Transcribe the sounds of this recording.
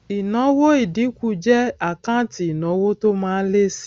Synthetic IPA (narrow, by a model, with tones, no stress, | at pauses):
i˨nɔ˨˦wo˦i˨di˨˦ku˦d͡ʒɛ˦a˨kã˦ti˨i˨nɔ̃˨˦wo˦to˦mãː˦le˦si̥˦